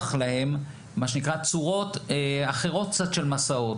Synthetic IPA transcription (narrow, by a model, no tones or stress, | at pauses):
χlahe̞m | maʃenikʁat͡suʁo̞teaχe̞ʁo̞t̚k̚t͡sat̪ʃe̞lmasao̞t